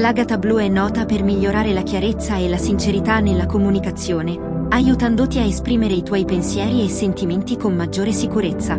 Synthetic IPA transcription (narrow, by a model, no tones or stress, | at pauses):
laɡat̪abluɛnːɔːt̪apermiʎːoɾaːɾelakjaɾet̪sːaelasint͡ʃeɾit̪anːelːakomunikat̪sːjoːne | ajut̪and̪ot̪iaespɾiːmeɾeit̪wɔːjpensjɛːɾiesːent̪iment̪ikonmad͡ʒːoːɾesikuɾet̪sːa